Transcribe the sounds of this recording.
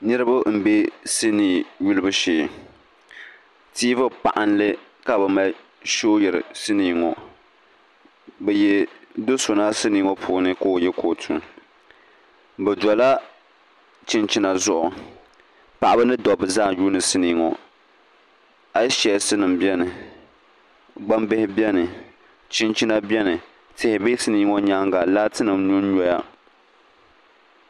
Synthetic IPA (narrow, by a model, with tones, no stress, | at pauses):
nɨ˦ɾɨ˦ba˦m̩˨be˦sɨ˦niː˨ju˦lɨ˦bɨ˦ʃeː˨ | tiː˦vɨ˦pa̰˨ʔa˦n˦lɨ˦ | ka˨bɛ˨ma˨ | ʃo˦jɛ˨ɾɨ̰˨sɨ˦niː˨ŋɔ˨ | bɛ˨jɛ˨do˦so˨na˦sɨ˦niː˨˦ŋɔ˦pʰuː˨˦nɨ˦ko˦˨jɛ˦kʰo˨tʰṵ˨ŋ | bɛ˨dɔ˨la˦ | t͡ʃɪ˦nt͡ʃi˦na˨zʊ˦ʔʊ˨ | pa˨ʔa˦bɨ˦nɨ˦dɔ˨bɨ˨zaː˦˨ju˦nɨ˨sɨ˦niː˨˦ŋɔ˨ | a˨˦ʃɛ˨sɨ˦nɨ˨mbjɛ˦nɨ˨ | ɡ͡ba˦mbɪ˦hɪ˦bɛ˦nɨ˨ | t͡ʃɪ˦nt͡ʃi˦na˦bjɛ˦nɨ˨ | tɪ˨hɪ˨bɪ˦sɨ˦niː˦ŋɔ˦ɲa˦ŋɡa˨la˦tɨ˦nɨ˨mnu˦n˦ɲɔ˦ja˦